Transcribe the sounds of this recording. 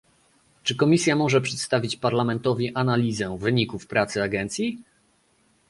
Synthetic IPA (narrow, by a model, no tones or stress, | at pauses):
t͡ʂɘkɔmʲisʲjamɔʐɛpʂɛt̪st̪avʲit͡ɕpaɾlamɛnt̪ɔvʲiʔanalʲizɛvɘɲikufpɾat̪sɘaɡɛnt̪sʲji